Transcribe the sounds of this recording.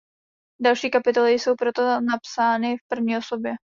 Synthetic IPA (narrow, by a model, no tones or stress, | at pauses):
dalʃiːkapɪt̪o̞lɪjso̞wpɾo̞t̪onapsaːnɪfpr̩vɲiːo̞so̞bjɛ